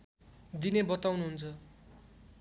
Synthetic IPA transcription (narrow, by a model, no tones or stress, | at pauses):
d̪inebʌt̪awnuɦunt͡sʰʌ